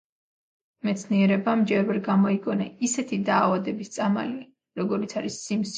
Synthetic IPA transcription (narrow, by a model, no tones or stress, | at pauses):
mɛt̪sʰniɛɾɛbamd͡ʒɛɾvɛɾɡamɔiɡɔnaisɛt̪ʰid̪aːvad̪ɛbist̪sʼama̰li | ɾɔɡɔɾit̪sʰaɾisːims